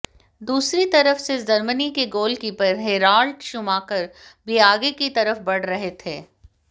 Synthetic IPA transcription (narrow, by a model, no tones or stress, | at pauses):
d̪uːsɾit̪ɐɾəfsed͡ʒɐɾmənikeɡoːlkipɐɾɦeːɾaːlɖʃʊmaːkɐɾbiaːɡekit̪ɐɾəfbɐɽ̤ɾɐɦet̪ʰeː